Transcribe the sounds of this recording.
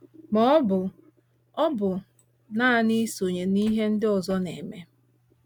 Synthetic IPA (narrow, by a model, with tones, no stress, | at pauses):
mɔ˦bʊ˨ | ɔ˦bʊ˨ | na˦a˨ni˦so˨ɲe˨ni˦ɦe˦n̩˦dɪ˦ɔ˨zɔ˦ne˨me˦